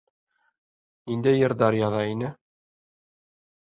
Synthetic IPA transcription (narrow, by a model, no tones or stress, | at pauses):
ind̪æjɘ̆ɾd̪ɑɾjɑðɑinɘ